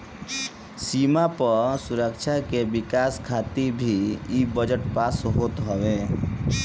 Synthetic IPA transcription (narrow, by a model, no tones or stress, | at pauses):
simapəsuɾəkt͡ʃʰakebɪkaskʰaːt̪ibʱiibəd͡ʒəʈpaːsɦot̪ɦɔʋe